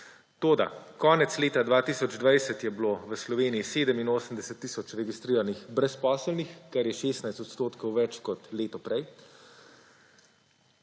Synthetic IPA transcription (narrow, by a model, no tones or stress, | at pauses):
t̪oːd̪a̰kɔːnɛt̪sleːt̪ad̪ʋaːt̪iːsɔd͡ʒd̪ʋajsət̪jɛbloːʋəslɔʋeːniiseːd̪əminoːsəmd̪ɛsət̪ːiːsɔt͡ʃɾɛɡist̪ɾiːɾanixbɾɛspɔːsəlnixkaɾjɛʃeːst̪najst̪ɔt̪st̪oːt̪kɔwʋɛt͡ʃkɔt̪leːt̪ɔpɾɛj